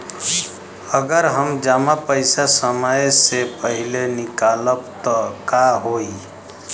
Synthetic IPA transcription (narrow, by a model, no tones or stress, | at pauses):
əɡəɾɦəmd͡ʒaːmapəɪsasəməjsepəɦilenɪkaləbt̪ɔkaɦoi